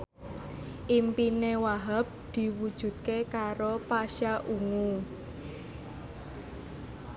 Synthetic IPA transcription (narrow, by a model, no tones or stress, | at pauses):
ʔimpinewaɦap̚d̪̥i̤wud̥ʒ̥ṳt̪̚kekaɾopaʃaʔuŋu